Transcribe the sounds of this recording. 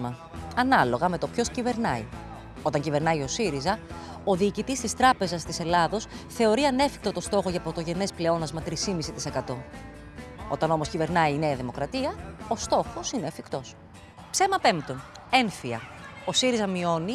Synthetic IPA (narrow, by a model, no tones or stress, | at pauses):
mɐ | ɐnɐlo̞ɣɐme̞t̪o̞pço̞scive̞ɾnɐḭ | o̞t̪ɐɲcive̞ɾnɐio̞siɾizɐ | o̞ðiːcit̪ist̪ist̪ɾɐpe̞zɐst̪ise̞lɐðo̞sθe̞o̞ɾiɐne̞fi̥k̚t̪o̞t̪o̞st̪o̞xo̞ʝɐpɾo̞t̪o̞ʝe̞ne̞sple̞o̞nɐzmɐt̪ɾisimisit̪ise̞kɐt̪o̞ | o̞t̪ɐno̞mo̞scive̞ɾnɐiːneɐðimo̞kɾɐt̪iɐo̞st̪o̞xo̞sineːfikt̪o̞s | pse̞mɐpe̞mt̪one̞nθiɐ̰o̞siɾizɐmio̞ni